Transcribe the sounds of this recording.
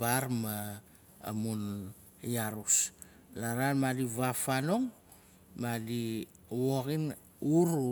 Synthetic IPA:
baɾma̰ː | mun | jaɾus | laɾanmalivafanoŋ | madi | wokin | uɾ

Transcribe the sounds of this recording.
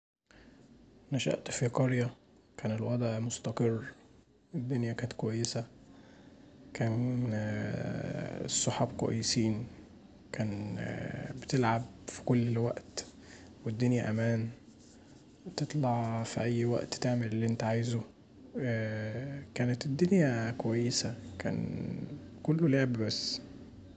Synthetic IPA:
næʃæ̰ʔt̪fiqɑɾjæ | kæːnelwɑd̪ˤʕmost̪ɑqɨrˤː | ed̪ːonjækæːnet̪̚kwæjːesæ | kæːn | sˤːoħɑːb̚kæ̰jːesiːn | kæːn | bet̪elʕab̚fi̥kolːwæʔt̪ | wed̪ːonjæʔæmæːn | t̪et̪ˤlɑʕfiʔæjːwæ̰ʔt̪t̪eʕmelelːiʔent̪æʕajzo | kæːnet̪ed̪ːonjækowæjːesækæ̰ːn | kolːoleʕbbæsː

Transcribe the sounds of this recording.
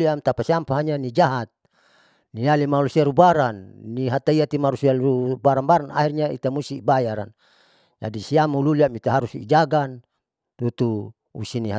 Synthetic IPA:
liamt̪apasiampaɦaɲanid͡ʒaɦat̪̚ | nialimalusiaɾubaɾanːiɦat̪aiat̪imaɾusiaubaɾanbaɾana̰ɦirɲaḭt̪amusibajaɾa̰n | d͡ʒa̰disiamululiamit̪aɦaɾusḭd͡ʒaɡan | t̪ut̪u | ṵsiniɦa

